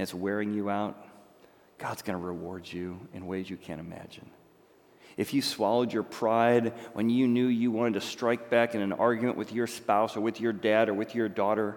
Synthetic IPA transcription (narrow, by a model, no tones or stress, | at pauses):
ɨzwɛɹɪ̃ŋjɨaʊt̚ | ɡ̥ɑdzɡ̥ʌnəɹɨwɔɹd͡ʒɨɨ̰̃nweɪzjɨkʰæ̰̃ñɨmæ̰d͡ʒɨ̰̃n | ʔɨfjɨswɑlˠoʊd͡ʒə˞pʰɹ̥aɪdwʔə̰̃njɨnjʉjɨwɑ̃ɾ̃ɨd̚tʰɨstɹ̥aɪk̚b̥ækɨ̃nɨ̃nɑ̰ɹɡjɨmɨ̰̃nʔwʔɨðjə˞spaʊsə˞wɨðjə˞dæɾə˞wɨðjə˞dɔɾə˞